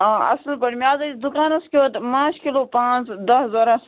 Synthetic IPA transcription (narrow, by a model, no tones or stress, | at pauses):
ɐ̰slpɐɽmijaːzɐt͡ʃd̪ukaːnɐskiot̪mãːt͡ʃʰkiloːpãːt͡sd̪ɐɦzɐɾɐs